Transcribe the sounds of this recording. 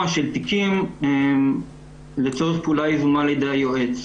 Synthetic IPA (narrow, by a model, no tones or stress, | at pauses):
aʃelt̪ikimem | let͡so̞ʁeχpuːlaizumaled̪eajoʔet͡s